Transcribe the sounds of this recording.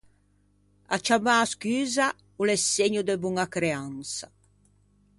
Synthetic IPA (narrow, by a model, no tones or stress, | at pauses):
a̰t͡ʃamaskyːza | ulɛsːeɲud̪ɛbuŋakɾeansa